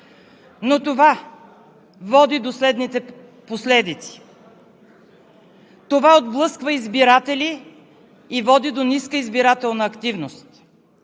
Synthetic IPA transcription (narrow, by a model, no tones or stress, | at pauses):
not̪ova | vɔd̪id̪oslɛd̪nit̪ɛ | poslɛd̪it̪si̥ | t̪ovaod̪blˠɤskvəizbiɾat̪ɛliː | vɔd̪id̪oniskəizbiɾat̪ɛlˠnəːkt̪ivnost̪